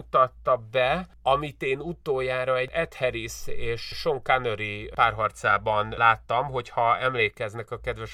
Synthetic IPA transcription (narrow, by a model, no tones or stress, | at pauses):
ut̪ɒt̪ːɒbɛ | ɒmit̪eːnut̪oːjaːɾɒɛɛt̪hɛɾiseːʃʃo̞ŋkanøɾipaːrɦɒrt̪saːbɒnlaːt̪ːɒmɦo̞chɒɛmleːkɛznɛkɒkɛd̪ʋɛʃ